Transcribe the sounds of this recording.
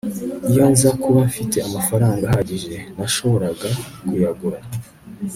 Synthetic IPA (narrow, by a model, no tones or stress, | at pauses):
ijonzakuβafite̞amafaɾaːŋɡahaɟiʒe̞naʃo̞βo̞ɾaɡakujaɡuɾa